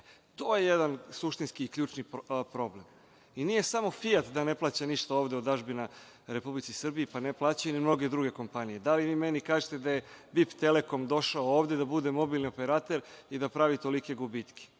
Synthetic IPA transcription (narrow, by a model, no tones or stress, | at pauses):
t̪oːje̞jed̪ansuʃt̪inskiːkʎʲuːt͡ʃnipɾo̞ble̞m | inije̞samo̞fiat̪d̪ane̞plˠaːt͡ɕaniʃt̪aoʋd̪eod̪aʒbina | ɾe̞publit̪sisrbiipaneplˠaːt͡ɕajunimno̞ɡe̞d̪ɾuɡe̞ko̞mpanije̞d̪aliʋiːmenikaːʒet̪ed̪aje̞bipt̪e̞leko̞md̪o̞ʃaooːʋd̪e̞d̪abud̪e̞mo̞bilniope̞ɾat̪e̞ɾid̪apɾaʋit̪o̞like̞ɡubit̪kʰe̥